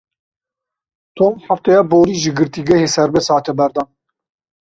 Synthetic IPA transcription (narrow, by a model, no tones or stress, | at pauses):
t̪ʰoːmħaft̪ɛjɑːboːɾiːʒɨɡɨɾt̪iɡɛheːsɛɾbɛshɑːt̪ɛbɛɾd̪ɑːn